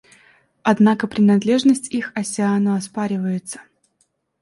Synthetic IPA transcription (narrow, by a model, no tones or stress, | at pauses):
ɐd̪nakəpɾʲɪnɐd̪lʲe̞ʐnəsʲtʲixɐsʲɪanəɐspaɾʲɪvəjɪt̪sə̥